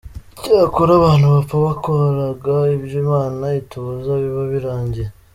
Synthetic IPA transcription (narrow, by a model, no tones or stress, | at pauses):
icaːkoɾaβaːn̥huβapaβakohaɾaɡaibjimaːnaituːzaβiβaβiɾaːɲɟe̞